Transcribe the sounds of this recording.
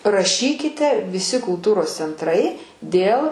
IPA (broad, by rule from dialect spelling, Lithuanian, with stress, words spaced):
rɐˈʃʲiːkʲɪtʲɛ ʋʲɪˈsʲɪ kʊlˠˈtuːroːs t͡sʲɛntˈrɐɪ ˈdʲeːlˠ